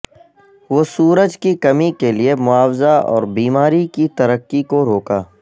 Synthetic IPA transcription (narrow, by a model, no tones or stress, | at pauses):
ʋosuːɾəd͡ʒkikɐmikeliemʊaːwzaɔ̰ːɾbiːmaːɾikit̪ɐɾəkːikoɾoːkaː